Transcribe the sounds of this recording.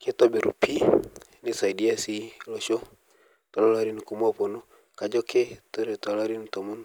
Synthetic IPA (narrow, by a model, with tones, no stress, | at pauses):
ke˦tɔ˦bi˨ɾṵ˨pʰi˦ | ni˦sa˨i˨di˦a˦si˦lɔ˨ʃɔ˦ | tɔ˨lɔ˦la˦ɾi˦n˨ku˨m˦ɔ˦pɔ˨no˦ | ka˨d͡ʒɔ˦ke˦to˦ɾe˨tɔ˨la˦ɾi˦n˨tɔ˨mu˦n